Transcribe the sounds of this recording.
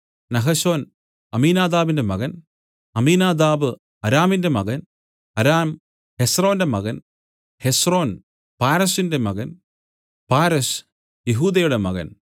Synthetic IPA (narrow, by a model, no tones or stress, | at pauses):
nɐɦɐɕo̞ːn | ɐmiːnaːd̪aːbinde̞mɐɣɐn | ɐmiːnaːd̪aːbɨ | ɐɾaːminde̞mɐɣɐn | ɐɾaːm | hesro̞ːndemɐɣɐn | hesro̞ːn | paːɾɐsinde̞mɐɣɐn | paːɾɐs | jeɦuːd̪ɐjuɽe̞mɐ̰ɣɐ̰n